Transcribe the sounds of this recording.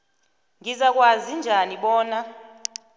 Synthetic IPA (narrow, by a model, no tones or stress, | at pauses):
ŋʱizak̬ʼwazind͡ʒʱaniɓɔːna